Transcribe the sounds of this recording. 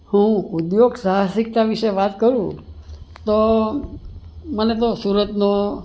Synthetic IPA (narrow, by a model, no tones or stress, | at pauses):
hũud̪joɡsaɦasik̚t̪aʋiʃeʋat̪kəɾũ | t̪o | mənet̪osuɾət̪no